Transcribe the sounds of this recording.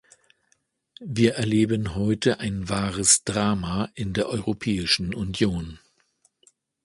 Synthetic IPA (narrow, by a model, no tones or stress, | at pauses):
viːɐʔɛɐleːbənɦɔʏtʰəʔaɪnvaːʁəsd̥ʁaːmaʔɪndeːɐʔɔʏʁopʰɛːɪʃn̩ʔʊnjoːn